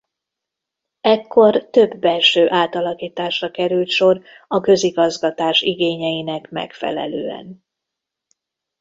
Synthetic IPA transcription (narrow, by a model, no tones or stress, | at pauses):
ɛkːo̞rt̪ø̞bːɛlʃøːʔaːt̪ɒlɒkiːt̪aːʃrɒkɛɾylt̪ʃo̞r | ɒkø̞ziɡɒzɡɒt̪aːʃiɡeːɲɛjinɛkmɛ̰kfɛ̰lɛ̰lø̰ːɛ̰n